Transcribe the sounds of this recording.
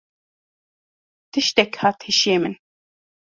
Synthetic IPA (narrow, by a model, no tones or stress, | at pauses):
t̪ɨʃt̪ɛkhɑːt̪heʃeːmɨn